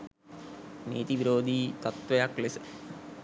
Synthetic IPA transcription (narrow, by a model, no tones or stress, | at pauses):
nḛːt̪iʋiɾoːd̪ʱiːt̪ɐt̪ʋɐjaklesɨ̥